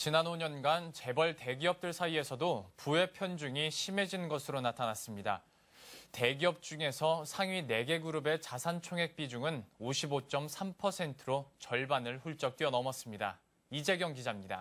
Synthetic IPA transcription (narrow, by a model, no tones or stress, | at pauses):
t͡ɕinanoɲʌnɡant͡ɕe̞bʌɭte̞ɡiʌp̚t͈ɯɭsʰaie̞sʰʌdopue̞pʰjʌnd͡ʑuŋiɕʰime̞d͡ʑinɯnɡʌsʰɯɾonatʰanas͈ɯmɲida̰ | te̞ɡiʌp̚t͡ɕ͈uŋe̞sʰʌsʰaŋɥine̞ɡe̞ɡuɾube̞t͡ɕasʰant͡ɕʰoŋɦe̞k̚p͈id͡ʑuŋɯnoɕʰibot͡ɕ͈ʌmsʰampʰʌsʰe̞ntʰɯɾot͡ɕʌɭbanɯɭɸuɭt͡ɕ͈ʌk̚t͈iʌnʌmʌs͈ɯmɲida̰ | id͡ʑe̞ɡjʌŋɡid͡ʑamɲida̰